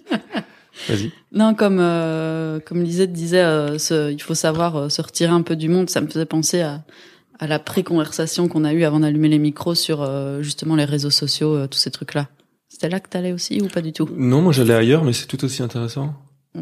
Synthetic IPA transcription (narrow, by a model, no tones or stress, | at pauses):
va̰zi | nɔ̃kɔmøkɔmd̪izɛt̪əd̪izɛøsəilfosavwaʁøsəʁət̪iʁeɛ̃pød̪ymɔ̃d̪saməfəzɛpɑ̃seaː | lapχekɔ̃vɛʁsasjɔ̃kɔ̃nayavɑ̃d̪alymelemikχosyʁøʒyst̪əmɑ̃leʁezosɔsjoøt̪u̥set̪χykla | se̥t̪ɛlakət̪alɛosḭupad̪yt̪unɔ̃mwaʒalɛajœʁmɛsɛ̥t̪ut̪osiɛ̃t̪eʁesɑ̃